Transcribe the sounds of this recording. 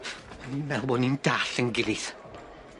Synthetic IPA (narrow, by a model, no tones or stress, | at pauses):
aninmɛlˠbɔnind̥aɬənɡɪlˠiθ